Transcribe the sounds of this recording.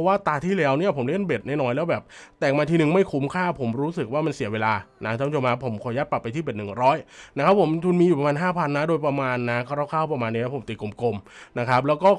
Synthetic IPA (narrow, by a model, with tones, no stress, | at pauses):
ɔ˦waː˥˩t̪aː˧t̪ʰiː˥˩lɛː˦˥wni˥˩ɐpʰo˩˦mli˥˩ənbe˨˩t̪̚naː˥˩nɔː˧˩jlɛː˦˥wbɛː˨˩p̚t̪ɛː˨˩ŋ̚maː˧t̪ʰiː˥˨ɯ˨˩ŋma˥˩jkʰu˧˦mkʰaː˥˩pʰo˩˦mɾuː˦˥sɯ˨˩k̚waː˥˩ma˧nsi˨˩˦weː˧laː˧na˦˥˧t͡ɕo˧maː˧˩pʰo˨˩˦mkʰɔː˧˩˦ja˦˥t̪̚pa˨˩pːa˧jt̪iː˥˩beː˨˩t̪nɯ˨˩ŋɾɔː˦˥jna˦˥kʰa˦˥pʰːo˩˦mt̪ʰuː˧nmiː˧u˨˩pɾa˧maː˧nɦaː˥˩pʰa˧nːa˦˥doː˧jpɾa˧maː˧nːa˦˥kʰa˥˩ɾaː˥˩kʰaː˥˩wpɾa˧maː˧nːiː˦˥a˦˥˩pʰo˩˦mt̪i˨˩ku˨˩˦mko˧mna˦˥kʰa˦˥p̚lɛː˦˥wkɔː˥˩